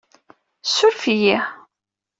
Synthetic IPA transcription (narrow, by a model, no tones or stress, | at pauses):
sːʊɾfiji